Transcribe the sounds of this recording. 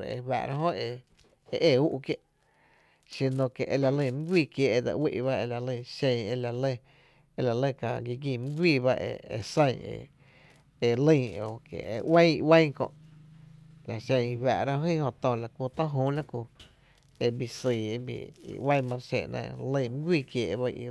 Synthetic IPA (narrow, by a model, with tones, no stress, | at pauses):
ɾ̰ḛ˧wa̰˧ʔɾʔa˦ɦõ˦e˧ | e˧ʔeː˦˧˨u˦ʔkje˦ʔ | si˧nõ˧˨ke˨ʔe˧la˨lĩ˧˨mĩ˦ɡʷiː˦˧kje˧ʔe˧d̪a̰˧˨wḭ˦ʔβa˦e˧la˨lĩ˧ʃẽ˧˨e˧la˨le˦˧ | e˧˨la˨le˦˨ka˧˨ɡi˧ɡiː˧˨mɨ̃˦ɡʷiː˧˨ba˦ʔḛ˧ḛ˧sẽ˦˧˨ḛ˧ | e˧lə̃˦˧˨o˨kḛ˨e˧wã˦i˧wã˦˧kõ̰˧ʔ | la˨ʃẽ˧i˧wa˧ʔɾa˦ɦĩ˦hõ˧t̪õ˧˨la˨ku˧t̪ã˦ɦũː˦la˦ku˧ | e˧bi˧˨siː˨e˧bḭ˨ḭ˨wã˦˧mã˧ɾʃḛ˧ʔnã̰˧lə̃˧m̃˦ɡʷiː˦˧˨kjeː˨ʔβa˦ḭ˧